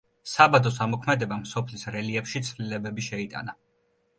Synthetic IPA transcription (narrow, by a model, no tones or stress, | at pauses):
sabad̪ɔsamɔkʰmɛd̪ɛbamsɔpʰlisɾɛliɛpʃit̪sʰvlilɛbɛbiʃɛit̪ʼa̰na